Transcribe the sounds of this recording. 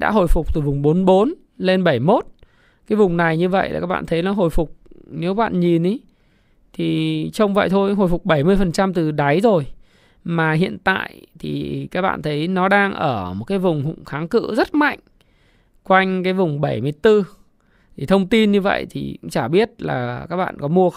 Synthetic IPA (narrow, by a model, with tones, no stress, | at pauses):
ɗa̰ː˧˥ɦo̰˧˨jfʊ˨˩k͡p̚t̪ɨ˨˩vʊ˨˩ŋ͡mɓo˨˦nɓo˨˦n | le˧nɓə˧˩jmo˦˥t̚ | kaː˨˦jvʊ˨˩ŋ͡mna˨˩jɲɨ˧və̰˧˨jʔaː˨˩kaː˦˥ɓa̰ː˧˨nt̪ʰə˨˦jnɔ˨˦ɦo̰˧˨jfʊ˨˩k͡p̚ne˨˦wɓa̰ː˧˨nɲi˨˩nʔi˨˦ | t̪ʰi˨˩t͡ɕə˧wŋ͡mvə̰˧˨jt̪ʰo˧jɦo˧˨˩jfʊ˨˩k͡p̚ɓə˧˩jmɨ˧əjfə˨˩nt͡ɕa˧mt̪ɨ˨˩ɗa˨˦jzo˨˩j | maː˨˩ɦḭ˧˨ənt̪a̰ː˧˨jt̪ʰi˨˩kaː˦˥k̚ɓa̰ː˧˨nt̪ʰə˨˦jnɔ˨˦ɗaː˧ŋʔəː˧˩mo˨˩t̚kaː˨˦jvʊ˨˩ŋ͡mɦʊ̰˧˩˨ŋ͡mxaː˨˦ŋkɨ̰˧zə˦˥t̚ma̰˧˨jŋ̟ | kwa˧jŋ̟kaː˨˦jvʊ˨˩ŋ͡mɓə˧˩jmɨ˧əjt̪ɨ˧ | t̪ʰi˨˩t̪ʰə˧wŋ͡mt̪i˧nɲɨ˧və̰˧˨jt̪ʰḭ˨˩kŋ͡mt͡ɕaː˧˩ɓi˦˥ət̚la̰ː˨˩kaː˦˥k̚ɓa̰ː˧˨nkɔ˨˦mu˧ə